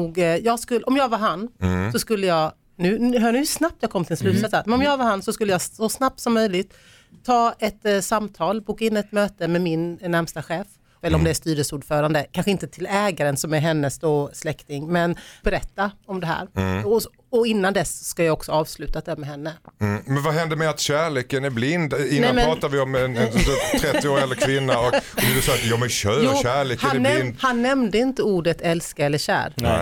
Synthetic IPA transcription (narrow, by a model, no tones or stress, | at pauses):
uːɡjɑːɡskɵlːɔmjɑːɡvaɾɦanːsɔskɵlːəjɑːɡ | nʉ̟ɦnʉsnap̚t̪jɑːɡkʰɔmːt̪ɪlslʉ̟ːt̪sɛt̪samɛnɔmjɑːɡvaɾhansɔskɵlːəjaːɔsnap̚t̪sɔmːœjlɪɡt̪ʰː | ɑːɛt̪samːt̪ʰɑːlbuːkaɪnːɛt̪møːt̪əmɛmɪnnæɾmst̪aɧɛːf | ɛləɾɔmd̪ɛæʂt̪yːɾəsuːɖfœːɾand̪əkʰanɧəɪnt̪ət̪ʰɪlɛːɡaɾənsɔmæɾɦɛnːəsd̪oːslɛkt̪ɪŋmɛnb̥ɛɾɛt̪ːaɔmd̪ɛɦæ̰ːɾɔ | ɔɪnːand̪ɛsɔ̥skajɑːɡɔksɔɑːvslʉ̟ːt̪at̪d̪ɛmɛɦɛnːəmɛnvaɦɛnd̪əɾmɛat̪ɕæːɭeːkənæɾblɪnd̪ɪnɛamɛɾɑːt̪avɪɔmɛnɛt̪ʰɾɛt̪ːɪoːɾɛlːəɾkʰvɪnːaɔkɔd̪ɛd̪ɛsɔːt̪jɑmɛɕœːjɕæːɭeːkhəannd̪hanːɛmd̪əɪnt̪əuːɖət̪ɛlskaɛlːəɕæ̰ːɾ